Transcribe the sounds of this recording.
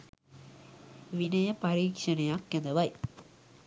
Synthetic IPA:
ʋinɐjɐpɐɾiːkʂɐnɐjakjɐnd̪ɐʋɐj

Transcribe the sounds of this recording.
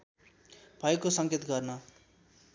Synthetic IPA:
b̥ʱʌekosʌŋket̪ɡʌrnʌ

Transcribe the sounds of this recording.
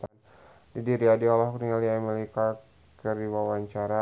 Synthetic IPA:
t̪an | didiɾiadiɔlɔhkɾiŋaliamɛlika | kəriwawaɲt͡ʃaɾa

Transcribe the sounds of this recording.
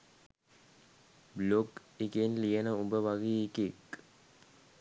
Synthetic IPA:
blok | ikenlijənəumbəʋaɡiikek

